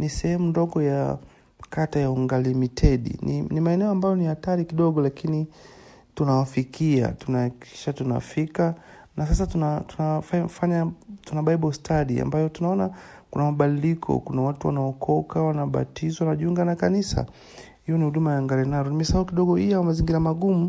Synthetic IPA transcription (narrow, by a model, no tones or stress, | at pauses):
nisɛhɛmundɔɡɔja | katajauŋɡalimitʰɛɗḭninimaɛnɛɔambajɔnihataɾikiɗɔɠɔlakini | tunawafikia̰tunaki̥ʃatuna̰fika | nas̬as̬atunatunafafaɲatunaɓaiɓɔstʰaɗia̰mbajɔtunaɔnakunamaɓaɗilikʰɔ̰kunawatuwa̰naɔkʰɔkawanaɓa̰tizɔwanaʄiuŋɡanakanisa̰ | hijɔnihuɗumajaŋɡaɾɛnaɾɔnimisaukiɗɔɡɔijawamaziŋɡiɾamaɡumu